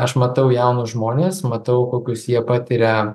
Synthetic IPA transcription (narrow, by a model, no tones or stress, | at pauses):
ɐʃmɐt̪ɐʊjɛʊnʊʒmoːnʲeːsmɐt̪ɐʊkoːkʲʊsjiɛpɑːt̪ʲɪɾʲɛ